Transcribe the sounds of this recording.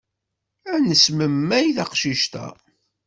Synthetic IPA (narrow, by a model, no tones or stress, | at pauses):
ænəsməmːæjθɑqʃiʃt̪æ̰